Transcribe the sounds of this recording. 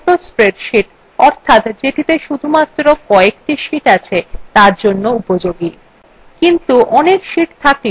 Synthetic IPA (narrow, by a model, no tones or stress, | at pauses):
ospɾeɾʃiʈ | ɔɾt̪ʰat̪d͡ʑeʈit̪eʃud̪ʱumat̪ːɾokɔek̚ʈiʃiʈat͡ɕʰet̪aɾd͡ʑonːoupod͡ʑoɡi | kint̪uʔɔnekʃiʈt̪ʰaki